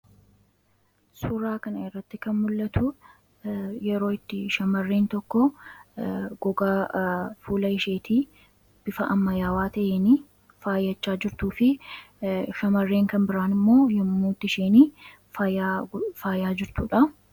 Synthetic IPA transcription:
sʊɾaːkɐnɐɪrːɐt̪ːɪkɐnmʊlːɐt̪ʰʊ | jɛɾo̞ːɪt̪ːɪʃɐmɐrːeːnt̪ɔkːɔ | ɡɔɡaːfuːlɐɪʃe̞ːt̪ʰiː | b̥ɪfɐʔɐmːɐjaːwaːt̪ɐʔeːniː | faːjːɐt͡ʃːaːd͡ʒɪɾt̪uːfɪ | ʃɐmɐrːe̞ːŋkɐnbɪɾaːnɪmːo̞ːjɛmːuːt̪ːɪʃeːniː | faːjaːfaːjaːd͡ʒɪɾt̪uᶑɐ

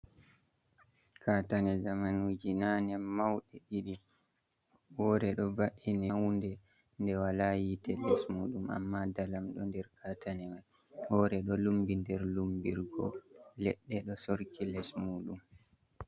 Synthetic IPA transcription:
kʰatanɛzamanud͡ʒinanɛmːawɗɛɗiɗi | wɔɾɛɗɔvaʔinɛwundɛ | ndɛwalajitɛlɛsmuːɗuma̰mːadalamɗɔndɛɾkatʰanɛman | hɔɾɛɗɔlumbindɛɾlumbiɾɡɔ̰lɛɗːɛɗɔsoɾkilɛsmuːɗum

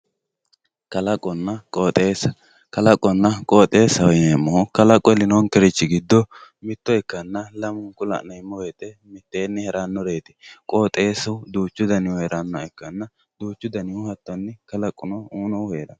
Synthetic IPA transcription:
kɐlɐkʼːɔnːɐkʼoːt̪ʼeːsɐ̥ | kɐlɐkʼːɔnːɐkʼoːt̪ʼe̞ːsːɐwnemːɔhʊkɐlɐkʼːɔɛlɪnoːŋkɛɾɪt͡ʃːɪɡɪd̪ːɔ | mɪt̪ːɔɛkːɐnːɐlɐmʊŋkʊlɐ̰ʔnɐɪmːɔweːt̪ɛmɪt̪ːeːnːɛhɛɾanːɔɾeːt̪ɛ̥kʼo̞ːt̪ʼeːsɐd̪uːt͡ʃːʊd̪ɐnɪheːɾɐnːɐɛkːɐnːɐ | d̪uːt͡ʃːʊd̪ɐnɪʊhɐt̪ːɔnːɪkɐlɐkʼːʊnɔuːnɔheːɾɐ̰n

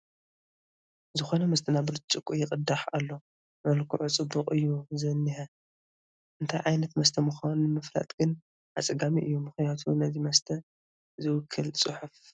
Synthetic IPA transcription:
zɨxo̞nɐmɐst̪ʰɐnabɾɨt͡ʃʼɨkʼːujɪkʼɨd̪aħa̰lːo̞ | mɐlkʰuʕut͡sʼɨbːɨqʼɨjːuzɐnːiħɐ | ʔɨnt̪ʰajʕajnɐt̪mɐst̪ʰɐmɨxanunmɨfɾa̰t̪ʼɡ̥ɨn | ʔa̰t͡sʼɐɡamiʔɨjːumɨxnijat̪ʰunɐzimɐst̪ʰɐ | zɨwʊkʰːɨlt͡sʼɨħuf

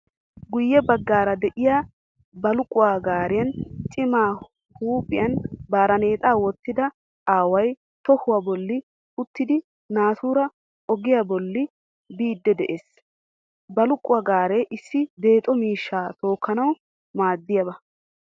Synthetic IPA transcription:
ɡʊjːɛbɐɡːaːɾɐd̪ɛʔɪjaː | bɐlʊkʼʊwaːɡaːɾɪjɐnt͡ʃʼɪmaː | huːpʼɪjɐnbaːɾɐne̞ːt̪ʼaːwɔt̪ːɪd̪ɐ | aːwɐj | t̪ɔhʊwaːbɔlːɪ | ʊt̪ːɪd̪ɪ | naːt̪uːɾɐ | ʔɔɡɪjaːbɔlːɪ | biːd̪ːɛd̪ɛʔeːs | bɐlʊkʼːʊwaːɡaːɾeːʔɪsːɪd̪e̞ːt̪ʼɔmiːʃːaːt̪o̞ːkːɐnɐw | maːd̪ːɪjɐbɐ

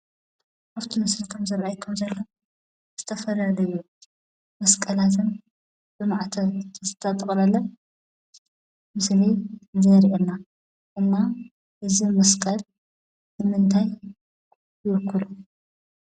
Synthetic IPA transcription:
ʔaβt̪ʰimɐslikʰɐmzɨɾʕajkʰːɐmzɐlːo | z̥ɨt̪ʰɐfɐlalɐju | mɐskʼɐlat̪ʰɨn | bɨmaʕt̪ʰɐzɨt̪ʰɐt̪ʼɨkʼlɐlːɐ | mɨslizɐɾiʔelnːa | ɨmːa | ʔɨzimɐskʼɐl | nɨmɨnt̪ʰaj | jɨwɨkʰːɨlu

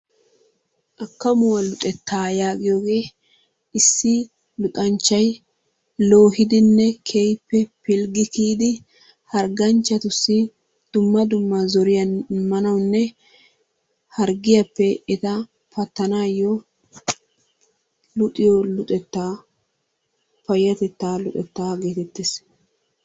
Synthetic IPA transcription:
ʔɐkːɐmʊwɐlʊt̪ʼɛt̪ːaːjaːɡɪjoːɡe̞ː | ɪsːɪ | lʊkʼɐnt͡ʃːɐj | lo̞ːɦɪd̪ɪnːɛkʰejpːɛpɪlɡɪkiːd̪ɪ | hɐɾɡɐnt͡ʃːɐt̪ʊsːɪ | d̪̥ʊmːɐd̪ʊmːazɔɾɪjɐnmɐnɐwnːɛ | hɐɾɡɪjɐpːɛɛt̪ɐ | pɐt̪ːɐnaːjɔ | lʊt̪ʼɪjɔlʊt̪ʼɛt̪ːaː | pɐjːɐt̪ɛt̪ːaːlʊt̪ʼɛt̪ːaːɡeːt̪ɛt̪ːes

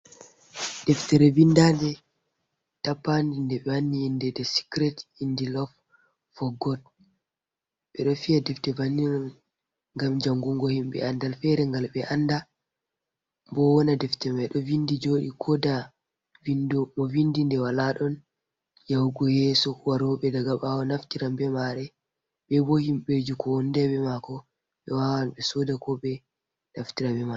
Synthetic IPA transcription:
d̥ɛftɛɾɛvindadɛ | tapːandindɛɓɛanːiːndɛdɛsi̥kɾɛtindilɔf | fɔɡɔl | ɓɛɗɔfiadɛftɛvanːinɔn | ŋɡamd͡ʒaŋɡɔŋɡɔhimɓɛ̰andalfɛɾɛŋɡalɓɛʔanda | mbɔwɔnadɛftɛmajɗɔvindid͡ʒoɗḭkʰɔda | vindɔmɔvindindɛwalaɗɔn | jawɡɔjɛsɔwaɾɔɓɛdaɡaɓawɔnaftiɾambɛmaɾɛ | ɓɛbohimɓed͡ʒukɔwɔndɛɓɛmakɔ | ɓɛwawanɓɛsɔdakɔɓɛ | naftiɾabɛma

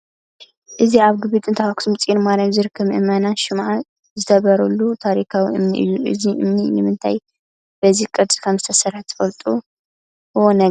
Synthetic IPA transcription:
ʔɨziaβɡɨβɨt̪ʼɨnt̪ʰɐwaksumɨt͡sʼjinmaɾamzɨɾɨkʰːɨmʔɨ̰mɐnaʃɪmʕa | zɨt̪ʰɐβɐɾɐlːut̪ʰaɾikʰawiʔɨmniʔɨ̰jːuʔɨ̰ziʔɨ̰mninɨmɨnt̪ʰaj | b̥ɐzikʼɨd̪skʰɐmzɨt̪ʰɐsɐrħt̪ʰɨ̥fɐlt̪ʼu | ɨwonɐ

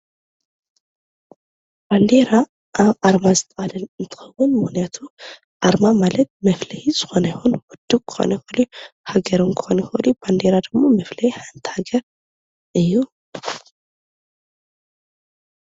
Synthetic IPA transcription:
b̥and̪eɾa | ʔaβʔaɾmazɨt̪ʰʼɐʔad̪ɐnɨnt̪ʰɨ̥xɐwːʊnmɨxnijat̪ʰu | ʔaɾmamalɐt̪̚mɐflɐjiz̥ɨxo̞nɐjxunwʊd̪ːukʰɨ̥xo̰nɐxɨluhaɡɐɾuŋkʰxonxɨɨluband̪eɾad̪ɨmːo̞mɐflɐjħant̪ʰi̥haɡɐɾ | ʔɨjːu

